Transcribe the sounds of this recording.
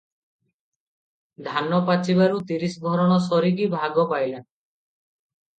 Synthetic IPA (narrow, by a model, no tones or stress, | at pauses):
d̪ʱanɔpat͡ʃiβaɾut̪iɾisɔbʱɔɾɔɽ̃ɔsɔɾik̬ibʱaɡɔpajlen